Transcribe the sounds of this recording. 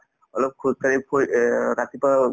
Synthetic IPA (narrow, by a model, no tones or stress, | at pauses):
ɔlɔp̚kʰukaɹipʰoɹat̪ipa